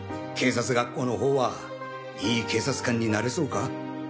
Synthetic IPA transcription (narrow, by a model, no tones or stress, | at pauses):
kʰe̞ːsat͡sɨɡakːo̞ːno̞ɦo̞ːβa | iːkʰe̞ːsat͡sɨ̥kãɲ̟ːinaɾeso̞ːka